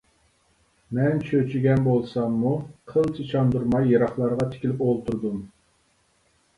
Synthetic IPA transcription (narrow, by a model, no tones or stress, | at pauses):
mɛnt͡ʃʰøt͡ʃʰiɡʲɛnbolˠsɑmːuqʰəlˠt͡ʃʰit͡ʃʰɑnd̪uɾmɑjːeɾɑχlˠɑɾʁɑt̪ʰɪ̥kʲilɪpolˠt̪uɾd̪um